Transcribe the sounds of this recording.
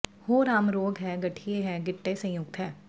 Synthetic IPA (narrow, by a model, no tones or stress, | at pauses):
hoːɾaːmɾoːɡɦɛːɡɐʈʰijeɦɛːɡɪʈːesɐ̃jʊk̚t̪ɦɛː